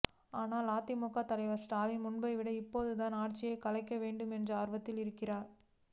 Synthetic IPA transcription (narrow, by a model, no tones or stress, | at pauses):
aːnaːlaːt̪ːɪmɔkːaːt̪ɐlɐɪʋɐɾsʈaːlɪnmʊɳbɐɪʋɪɽɐɪpːoːðɯt̪aːnaːrt͡ʃːɪjɐkɐlɐɪkːɐʋeːɳɖɯmɛndrɐaːɾʋɐt̪ːɪlɪɾɯkːɪraːɾ